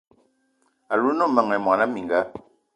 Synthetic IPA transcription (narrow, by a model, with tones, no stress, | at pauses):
a˨lu˦nɔ˦mə˨ŋɛ˨mwa˨na˦mi˨ŋɡa˨˦